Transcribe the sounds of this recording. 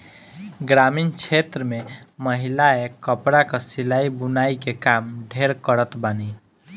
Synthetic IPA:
ɡɾamint͡ʃʰet̪ɾəmẽməɦilaekəpɾakasilaibʊnaikekamɖʱeɾkəɾət̪bani

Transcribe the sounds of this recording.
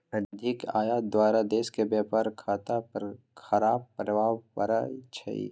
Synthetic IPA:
əd̪d̪ʱɪka̰ːjaːd̪waːɾad̪eːskebjaːpaɾkʰaːt̪a | xɐɾaːb̚pɾəbʱaːpəɾajt͡ʃʰə̰ḭ

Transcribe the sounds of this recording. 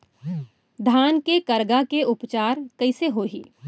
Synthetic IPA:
d̪ʱaːnkekɐɾɡakeʊpt͡ʃaːɾkɐɪseɦoːɦḭː

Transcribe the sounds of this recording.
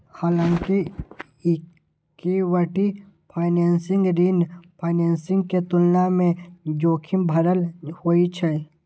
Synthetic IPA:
haːlãŋki | kiwəʈi | pʰaːɪneːnsɪ̃ŋɡɾinpʰaːɪneːnsɪ̃ŋɡket̪ʊlnamẽd͡ʒoːkʰɪmbʱɐɾəlhoːit͡ʃʰɛ

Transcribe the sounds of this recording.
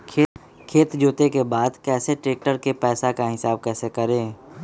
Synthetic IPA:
kʰeːt̪d͡ʒoːt̪ekebaːd̪kɛːseʈɾeːk̚ʈəɾkepɛːsakaɦɪsaːb̚kɛːsekɐɾẽː

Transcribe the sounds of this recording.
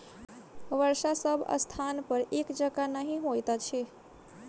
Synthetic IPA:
ʋəɾsasəbʱə̰st̪ʰanpəɾekd͡ʒəɡanəɦĩɦojt̪at͡ʃʰe

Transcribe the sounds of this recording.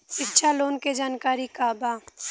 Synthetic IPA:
ʃɪkʃʰaloːnked͡ʒaːnkaːɾikabaː

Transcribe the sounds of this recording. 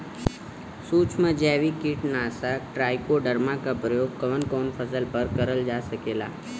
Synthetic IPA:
suːt͡ʃmə̃d͡ʒɛːʋikɪʈnaːsaʈɾaːjkoɖəɾmakapɾəjoːɡ̚kɐʋənkɔːnpʰəsəlpəɾkɐɾəld͡ʒaːsɐkeːla̰ː

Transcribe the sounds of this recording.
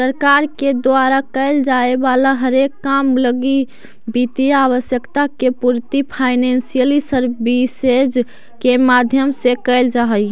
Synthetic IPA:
səɾkaɾked̪waɾakəɪld͡ʒaebalaɦəɾekːamləɡi | bit̪iaβəsjəkt̪akepuɾt̪ipʰaɪnensijəlisəɾbised͡ʒ | kemad̪ʱjəmsekɛɪld͡ʒaɦəj

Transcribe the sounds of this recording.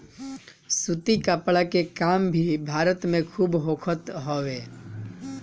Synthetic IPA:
sut̪ikəpɭakekaːmbʱibʱaːɾət̪mẽkʰuːbɦoːkʰət̪ɦoːʋeː

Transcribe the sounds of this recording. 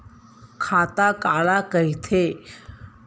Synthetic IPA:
kʰat̪akalakəjit̪ʰe

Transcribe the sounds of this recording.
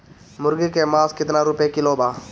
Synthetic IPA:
mʊɾɡekemãːskɪt̪naːɾʊpekɪloːbaː

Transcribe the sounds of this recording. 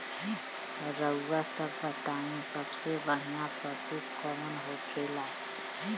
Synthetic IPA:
ɾəːasəbbət̪anĩsəbsebən̤ijapəsit̪kɔmənɦokʰela

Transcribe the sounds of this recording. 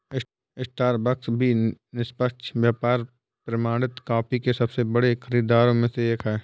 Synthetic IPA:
ɪsʈaːɾbɐksbʱinɪspəkʃʋjaːpaːɾ | pɾɐmaːɽɪt̪kaːpikesɐbsebɐɽexʰɐɾiːd̪aːɾõmẽseeːkʰɦɛː

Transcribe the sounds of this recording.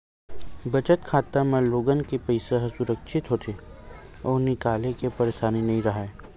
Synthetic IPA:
bɐt͡ʃət̪kʰaːt̪amẽloːɡənkepəɪseɦsʊɾəkʃɪt̪ɦoːt̪ʰe | ɔːɾnɪkaːlekepɐɾeːʃaːninɐɦĩɾɐɦaeː

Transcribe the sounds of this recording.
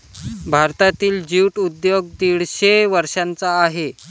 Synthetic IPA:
bʱaɾt̪at̪iːld͡ʑiwʈud̪joɡ̚t̪iɽɕeʋəɾɕant͡saːɦe

